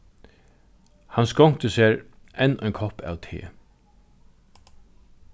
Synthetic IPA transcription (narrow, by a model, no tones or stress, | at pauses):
hanskɔŋ̥t̪əseːɾ | ʔɛnːɔjŋkʰɔhpæ̰ːwt̪ʰḛː